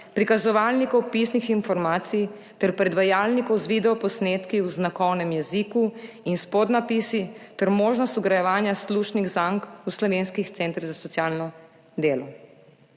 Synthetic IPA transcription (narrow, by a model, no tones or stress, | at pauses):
pɾikazɔʋalnikɔwpisnixinfɔɾmaːt̪sij | t̪ɛɾpɾɛd̪ʋajaːlnikɔwzʋid̪ɛɔpɔsnet̪kiwznakɔwnɛmjɛziku | inspɔd̪napisit̪ɛɾmoːʒnɔst̪uɡɾajɛʋaːnjasluʃniɡzaŋkuslɔʋeːnskixt̪sɛnt̪ɾzasɔt̪sjaːlnɔ | d̪eːlɔ